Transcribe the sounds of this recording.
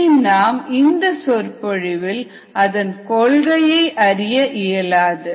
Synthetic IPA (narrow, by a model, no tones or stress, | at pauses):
naːmɪnd̪ɐsɔɾpɔɻɪʋɪl | ɐðɐnkɔɭɣɐjɐɪʔɐɾɪjɐʔɪjɐlaːðɯ